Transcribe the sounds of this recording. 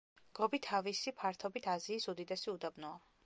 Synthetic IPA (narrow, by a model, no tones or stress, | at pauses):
ɡ̥ɔbit̪ʰavisipʰaɾt̪ʰɔbit̪ʰaziːsud̪id̪ɛsiud̪abnɔa